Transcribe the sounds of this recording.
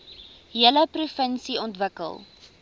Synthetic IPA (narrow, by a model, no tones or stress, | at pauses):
ɦiələprufənsiɔntvəkə̰lˠ